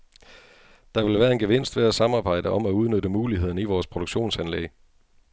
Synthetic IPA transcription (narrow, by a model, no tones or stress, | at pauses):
d̥ɑ̈ʋe̝lʋæːɐe̝nɡ̥eʋe̝n̰sd̥ʋe̝æsɑ̈mɑ̈ːb̥ɑ̈ɪ̰d̥əʔɒ̽mæuð̞ˠnøɾəmuːliɦe̝ð̞̰ˠnəiʋɒːspʰʁod̥oɡ̥ɕo̝̰ːnsænlḛɡ